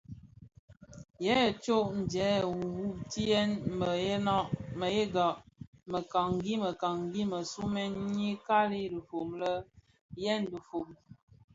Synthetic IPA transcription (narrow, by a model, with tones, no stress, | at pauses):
jɛ˦˨t͡ʃo˦ʔn̩˨d͡ʒɛ˨˦˨wu˨wu˦ti˦jɛ˦nmbə˨je˦na˦ʔmə˨je˦ɡa˨ʔmə˨ka˨ŋɡi˦mə˨ka˨ŋ˨ɡi˦mə˨su˦mɛ˦nɲi˦ka˦li˦du˨fo˨mlə˦ | jɛ˦n˦du˨fo˨m